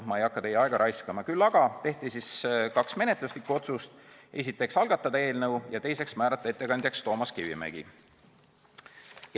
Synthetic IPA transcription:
mɑejɑkːˑɑt̪e̞jːɑeɡ̥ɑɾʔɑjskɑmɑkylːɑɡ̥ɑt̪e̞ht̪isiskɑksme̞ne̞t̪luslikːˑuo̞t̪sust̪e̞s̬it̪ːˑe̞ksɑlɡ̥ɑt̪ːˑɑd̪ɑe̞ːlnɤwjɑt̪e̞jse̞ksmæːɾɑt̪ːˑɑe̞t̪ːe̞kɑnd̪jɑkst̪o̞ːmɑskivḭmḛɡ̥ḭ | j

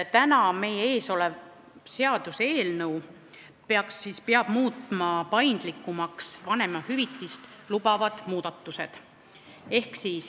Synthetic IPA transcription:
t̪ænɑme̞jee̞ːso̞le̞v | se̞ɑd̪̥use̞ːlnɤw | peɑksːispeɑb̥muːt̪ˑːmɑpɑjnd̪̥likːˑumɑksvɑne̞mɑhyvit̪ːist̪lubɑvɑd̪̥muːd̪̥ɑt̪ːˑuse̞̰d̪̥ | e̞hksiːs

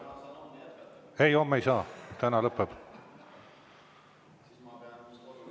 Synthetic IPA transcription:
ejomːejsɑːt̪ænɑlɤpːeb̥

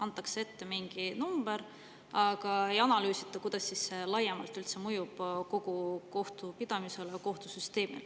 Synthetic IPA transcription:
ɑnt̪ːˑɑksee̞t̪ːe̞miŋɡ̥inumb̥eɾ | ɑɡ̥ɑe̞jɑnɑlyːsit̪ːˑɑkujd̪̥ɑsːisːelɑjːemɑlt̪ːˑylt̪se̞mujub̥ko̞ɡ̥uko̞ht̪upid̪̥ɑmise̞leko̞ht̪usyst̪e̞ːmḭl

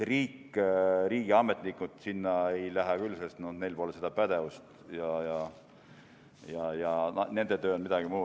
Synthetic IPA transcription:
riːkːɾiːɡ̥iɑmːet̪nikːˑud̪̥sinːɑe̞jlæɦɛkylːsest̪none̞jlpolesed̪̥ɑpæd̪̥e̞vust̪jɑjɑ | jɑjɑɑne̞nd̪et̪øːonmid̪ɑɡ̥imuː

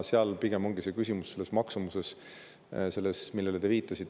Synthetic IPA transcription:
seɑlpiɡ̥e̞mo̞ŋɡ̥ise̞kysʲimusse̞lːe̞smɑksumuse̞s | se̞lːesmilːelet̪eviːt̪ːˑɑsit̪ːˑ

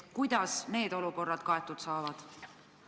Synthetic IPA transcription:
kujd̪̥ɑsne̞ːd̪o̞luko̞rːɑd̪̥kɑe̞t̪ːˑud̪̥sɑːvɑd̪̥

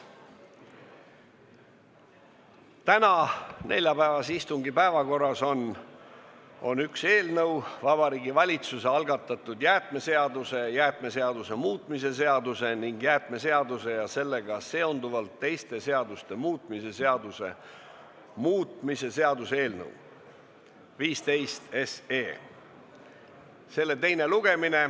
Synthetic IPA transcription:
t̪ænɑne̞̰lʲjɑpæevɑsist̪uŋɡipæevɑko̞rːɑso̞n | o̞̰nykse̞ːlnɤwvɑb̥ɑɾiːɡivɑlʲit̪suse̞ɑlɡɑt̪ːˑɑt̪ːˑud̪jæːt̪ˑme̞se̞ɑd̪use̞jæːt̪ˑme̞se̞ɑd̪use̞muːt̪ˑmise̞se̞ɑd̪use̞niŋɡ̥jæːt̪ˑme̞se̞ɑd̪use̞jɑse̞lːe̞ɡ̥ɑse̞o̞nd̪uvɑlt̪ːe̞jst̪e̞se̞ɑd̪ust̪e̞muːt̪ˑmise̞se̞ɑd̪use̞̰ | muːt̪mise̞se̞ɑd̪use̞ːlnɤ̰w | viːst̪e̞jst̪e̞seː | se̞lːe̞t̪e̞jne̞luɡ̥e̞mine̞

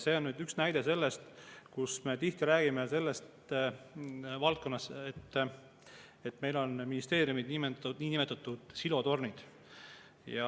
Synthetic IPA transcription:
se̞ːo̞nnyːd̪yksnæjd̪e̞se̞lːe̞st̪kusme̞t̪iht̪iɾæːɡ̥imese̞lːe̞st̪ | vɑlt̪̚ko̞nːɑset̪ː | et̪ːme̞jlo̞nminist̪e̞ːɾiumid̪nimeniːnime̞t̪ːˑɑt̪ːˑud̪̥silo̞t̪o̞rnid̪̥ | jɑ

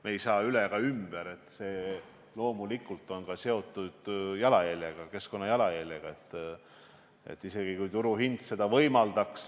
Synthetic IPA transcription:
meejsɑːyleɡ̥ɑymb̥eɾe̞t̪ːˑse̞ː | lo̞ːmulikːˑult̪ːˑo̞nkɑse̞o̞t̪ːˑud̪̥jɑlɑjælʲjeɡ̥ɑke̞sko̞nːɑjɑlɑjælʲjeɡ̥ɑe̞t̪ːˑ | e̞̰t̪ˑːise̞ɡ̥ikujt̪uɾuɦind̪̥se̞d̪̥ɑvɤjmɑld̪̥ɑks

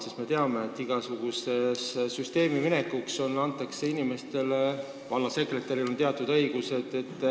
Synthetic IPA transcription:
sist̪me̞t̪eɑme̞ːt̪ːˑiɡ̥ɑsuɡ̥use̞ssyst̪e̞ːmimine̞kːukso̞nːɑnt̪ːˑɑkseinime̞st̪e̞le | vɑnːɑse̞kret̪ːˑeɾilont̪eɑt̪ːˑud̪̥ɤjɡ̥use̞d̪̥e̞t̪ːˑ

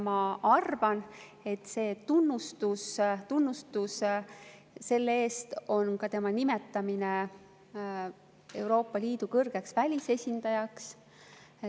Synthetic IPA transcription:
mɑɑrvɑn | e̞t̪ːse̞ːt̪unːust̪ust̪unːust̪us | se̞lːeeːst̪o̞nkɑt̪e̞mɑnime̞t̪ːˑɑmine̞ | e̞wɾo̞ːpːˑɑlʲiːd̪̥ukɤrɡ̥e̞ksvælʲise̞sʲind̪̥ɑjɑks

